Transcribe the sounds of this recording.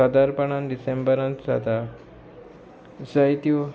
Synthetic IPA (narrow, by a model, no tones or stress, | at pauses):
əd̪aɾpəɳãnɖisembəɾãnt̪d͡za̰t̪a | səjt̪iu